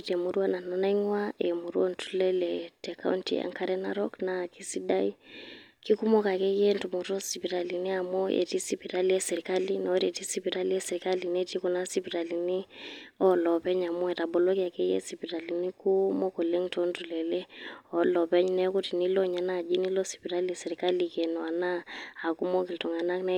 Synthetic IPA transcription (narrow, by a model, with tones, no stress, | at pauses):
tɛ˨mu˨ɾu˦a˦na˨nɔ˦na˦i˦ŋwae˨mu˨ɾu˦ɔ˦ntʰu˦lɛ˦lɛ˨tɛka̰˦wntḭ˦a̰˨ŋka˦ɾɛ˦na̰˦ɾɔ˦kna˨ki˦si˦da˦i˦ki˦ku˦mɔ˦ka˨kɛ˦jɛ˦ntu˨mɔ˨tɔ˦si˨pi˨ɾa˨li˨ni˦a˨mɔ˦ʔḛ˨ti˦si˦pi˨ɾa˦li˦ɛ˦sɛ˨ɾi˨ka˦li˦na˨o˦ɾiɛ˨ti˦si˦pi˨ɾa˦li˦ɛ˦sɛ˨ɾi˨ka˦li˨ne˦ti˦kɔ˨na˦si˦pi˨ɾa˨li˨ni˦ɔ˦lɔ˨pɛ˦ɲa˨mɔ˦ɛ˨ta˨bɔ˨lo˦ki˦a˨kɛ˦jɛ̰˦si˨pi˨ɾa˨li˨ni˦ku˦mo˦ko˨le˦ŋtɔ˦ntu˨lɛ˨lɛ˦ɔ˨˦lɔ˨pɛ˦ɲi˦nɛ˦ku˦ti˨ni˦lɔ˦ɲa˨na˦˨d͡ʒi˦ni˦lɔ˦si̥˨pi˨ɾa˦li˦sɛ˨ɾi˨ka˦li˨kɛ˨nɔ˨a˨naː˦˨ku˦mɔ˦k̬i˨ltɔ˨ŋa˨na˦kna˦